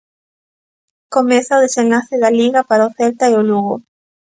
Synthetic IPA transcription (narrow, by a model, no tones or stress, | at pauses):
komesaoðesẽnlaθeðaliɣapaɾaoθelt̪aeoluɣo